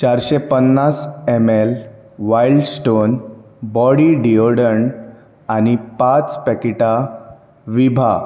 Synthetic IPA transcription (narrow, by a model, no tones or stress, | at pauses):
t͡ɕaɾɕepənːasemel | ʋailɖsʈonbɔɽiɖioɾɽəɳ | anipat͡spɛkiʈa | ʋibʱa̰